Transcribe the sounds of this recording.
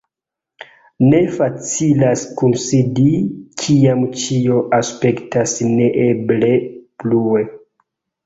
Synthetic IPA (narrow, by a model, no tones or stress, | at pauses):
ne̞fat͡silaskunsidikʰiamt͡ʃio̞ʔaspe̞ktasne̞ʔeble̞plue